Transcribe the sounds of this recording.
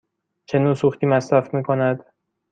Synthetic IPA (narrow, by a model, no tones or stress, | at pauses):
t͡ʃʰe̞nuːsuxt̪iːmæsɾæfmiːkʰo̞næd̪